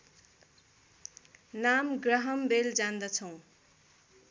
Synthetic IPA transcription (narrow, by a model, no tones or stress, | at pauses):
namɡrʌɦʌmbeld͡zand̪ʌt͡sʰʌ̃w̃